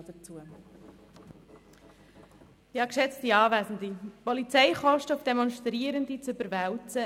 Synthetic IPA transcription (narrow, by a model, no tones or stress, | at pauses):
dət͡suə | jɑːkʃɛt͡stiɑːvæːzn̩d̪ipɔlit͡sɛɪχɔʃtəʊfd̥ɛmɔnʃtɾiəɾəndit͡sʏbəɾvɛwt͡sə